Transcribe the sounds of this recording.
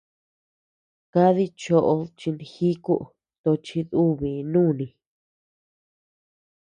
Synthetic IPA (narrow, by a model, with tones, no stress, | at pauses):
ka˦ði˧t͡ʃo˧ʔo˧t͡ʃi˧nĩ˧xi˦ku˦ʔ | t̪o˧t͡ʃi˧ðu˦βi˨nũː˦˨nĩ˧